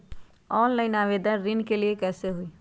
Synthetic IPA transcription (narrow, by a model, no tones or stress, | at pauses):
ɔːnlaɪnaːʋeːd̪ənɾɪ̃nkeliekɛːseɦʊi